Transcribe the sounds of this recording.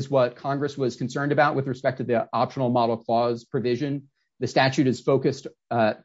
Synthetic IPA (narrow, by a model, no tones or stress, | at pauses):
zwʌt̚kʰɑ̃ŋɡɹɨswʌz̥kʰn̩sɜ̃˞ndɨbaʊʔ̚wɨðɹɨspɛk̚tʌðiʔɑpʃnl̩ˠmɑɾl̩ˠkʰl̥ɔz̥pʰɹ̥ɨvɪʒɨ̃n | ðɨstæt͡ʃʉɾɨz̥foʊkɨst